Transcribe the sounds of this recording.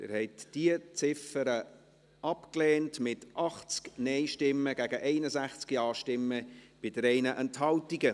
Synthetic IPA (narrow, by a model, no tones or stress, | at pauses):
dɛ̰ːɾhɛɪtd̥iət͡sɪfəɾə | ɑpklɛːntmɪtʔɑχt͡sknɛɪʃtɪmːəɡ̥æɡəʔɛɪnəzæχt͡skiɑːʃtɪmːəb̥ɪdəɾɛɪnəʔɛnthɑltiɡə